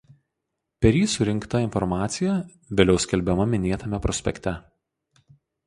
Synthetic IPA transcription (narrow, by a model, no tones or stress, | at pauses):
pʲɛɾʲjiːsʊɾʲɪŋˑkt̪ɐɪnfɔɾmɑːt̪sʲɪjɛ | ʋʲeːlʲɛʊsʲkʲɛlʲbʲɛmɐmʲɪnʲeːt̪ɐmʲɛpɾɔsʲpʲɛ̰kʲt̪ʲɛ